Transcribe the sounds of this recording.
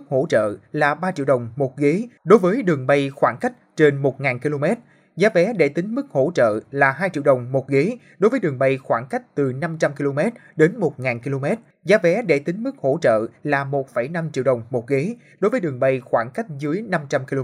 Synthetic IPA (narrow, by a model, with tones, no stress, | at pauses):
k̚ho̰˧˥t͡ɕə̰ː˧˨laː˨˩ɓaː˧t͡ɕḭ˧˨wɗə˨˩wŋ͡mmo˨˩t̚ɣi˨˦ɗo˨˦jvəː˨˦jɗɨ˨˩əŋɓə˧jxwaː˧˩ŋka˦˥jk̟̚t͡ɕe˧nmo˨˩t̚ŋaː˨˩nki˧lo˧mɛ˦˥t̚ | zaː˨˦vɛ˨˦ɗḛ˧˩t̪ï˨˦ŋ̟mɨ˦˥k̚ho̰˧˥t͡ɕə̰ː˧˨laː˨˩ɦaː˧jt͡ɕḭ˧˨wɗə˨˩wŋ͡mmo˨˩t̚ɣe˨˦ | ɗo˨˦jvəː˨˦jɗɨ˨˩ŋɓə˧jxwaː˧˩ŋka˦˥jk̟̚t̪ɨ˨˩na˧mt͡ɕa˧mki˧lo˧mɛ˦˥t̚ | ɗe˨˦nmo˨˩t̚ŋaː˨˩nki˧lo˧mɛ˦˥t̚ | zaː˨˦vɛ˨˦ɗe˧˩t̪ï˨˦ŋ̟mɨ˦˥k̚ho̰˧˥t͡ɕə̰ː˧˨laː˨˩mo˨˩t̚fə˧˩jna˧mt͡ɕḭ˧˨əwɗə˨˩wŋ͡mmo˨˩t̚ɣe˨˦ | ɗo˨˦jvəː˨˦jɗɨ˨˩əŋɓə˧jxwaː˧˩ŋka˦˥jk̟̚zɨ˨˦əjna˧mt͡ɕa˧mki˧